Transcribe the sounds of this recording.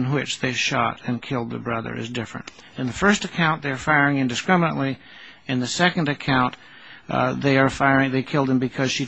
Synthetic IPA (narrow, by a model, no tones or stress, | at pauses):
nwɪt͡ʃðeɪʃɑ̰ɾɨ̃nkʰɪlˠd̪̚ðə̰bɹʌðə̰˞ʔɨ̰zdɪfɹɨ̰̃nt | ɨ̃nðɨfɜ˞stɨkʰãʊ̃nðeɪə˞faɪə˞ɪ̃ŋɨ̃ndɨskɹ̥ɪmənə̰̃nʔli | ɨ̃nðɨsɛkɨ̃n̩dɨkʰãʊ̃n | ðeɪə˞faɪə˞ɪ̃ŋðeɪkʰɪlˠd̚ɨ̃mbɨkʰʌz̥ʃi